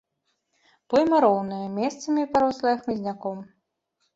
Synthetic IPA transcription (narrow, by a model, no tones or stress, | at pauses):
pɔjmɐɾɔwnɨjɐmʲɛst̪sɐmʲipaɾɔslˠɐjɐxmʲizʲnʲakɔm